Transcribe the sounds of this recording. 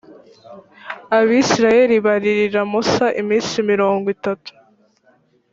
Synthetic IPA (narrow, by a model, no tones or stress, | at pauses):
aβisiɾaje̞ɾiβaɾiɾiɾamosaʔimiːnsimiɾoːŋɡwitatu̥